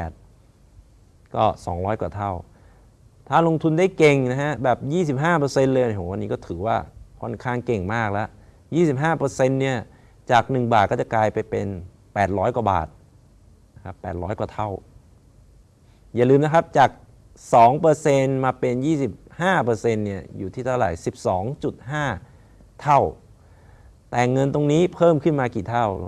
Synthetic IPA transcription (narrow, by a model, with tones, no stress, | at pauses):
ɛː˨˩t̪̚ | kɔː˥˩sɔː˩˦ŋɾɔː˦˥jkwaː˨˩t̪ʰa˥˩w | t̪ʰaː˥˩lo˧ŋt̪ʰu˧nda˥˩jke˨˩ŋna˦˥ha˦˥bɛː˨˩p̚jiː˥˩si˨˩p̚ɦaː˥˩pɤː˧se˧nlɤː˧ja˨˩ho˦˩wa˧nːiː˦˥kɔː˥˩t̪ʰɯː˩˦waː˥˩kʰɔ˧˥˩nkʰaː˥˩ŋke˨˩ŋmaː˥˩k̚lɛ˦˥ʔ | jiː˥˩si˨˩p̚ɦaː˥˩pɤː˧se˧nːi˥˩ɐ | t͡ɕaː˨˩k̚nɯ˨˩ŋbaː˨˩t̪̚kɔː˥˩t͡ɕa˨˩klaː˧jpa˧jpe˧n | pɛː˨˩t̪̚ɾɔː˦˥jkwa˨˩ba̰ː˨˩t̪̚ | kʰa˦˥pːɛ̰ː˨˩t̪̚ɾɔː˦˥jkwa˨˩t̪ʰa˥˩w | ja˨˩lɯː˧mna˦˥kʰa˦˥p̚t͡ɕaː˨˩k̚ | sɔː˩˦ŋpɤː˧se˧nmaː˧pe˧njiː˥˩si˨˩p̚haː˥˩pɤː˧se˧nːi˥˩ɐjṵː˨˩t̪ʰiː˥˩a˥˩ɾa̰˨˩jsi˨˩p̚sɔː˩˦ŋt͡ɕu˨˩t̪̚ɦaː˥˩ | t̪ʰa˥˩w | t̪ɛː˨˩ŋɤ˧nt̪o˧ŋniː˦˥pʰɤː˥˩mkʰɯ˥˩nmaː˧kiː˨˩t̪ʰa˥˩w